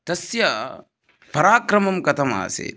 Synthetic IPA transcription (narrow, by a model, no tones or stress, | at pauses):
t̪ɐsjɐ | pɐɾaːkɾɐmɐmkɐt̪ʰɐma̰ːsḛ